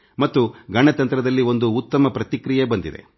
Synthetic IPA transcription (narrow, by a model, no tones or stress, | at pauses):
mɐt̪ːuɡɐɳɐt̪ɐnt̪ɾɐd̪ɐlːio̞nd̪uːt̪ːɐmɐpɾɐt̪ikɾijebɐnd̪id̪ḛ